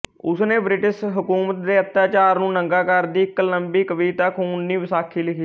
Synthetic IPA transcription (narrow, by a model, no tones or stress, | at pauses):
ʊsneːbɾɪʈɪʃɦʊkuːmət̪̚d̪eːət̪jaːt͡ʃaːɾnũːnəŋɡaːkəɾd̪iːkələmbiːkəʋiːt̪əkʊnːĩːʋɪsaːkʰːiːlɪkʰiː